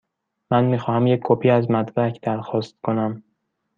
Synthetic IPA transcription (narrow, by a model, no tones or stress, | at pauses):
mænmiːxɒːhæmjecʰːopʰiːæzmæt̪bæcʰd̪̥æɾxɒːst̪̚kʰo̞næm